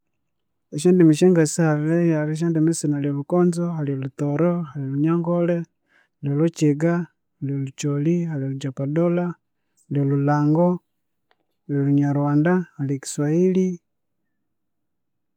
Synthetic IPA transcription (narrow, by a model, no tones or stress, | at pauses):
eʃeːndimiʃeːŋɡasihaβilejaɾiʃ̬eːndimisinaliolukoːnzohaliolutoɾohalioluɲaːŋɡole | haliolot͡ʃiɡa | haliolut͡ʃolihaliolud͡ʒapadola | haliolulaːŋɡo | halioluɲaɾwaːndahaliki̥swaili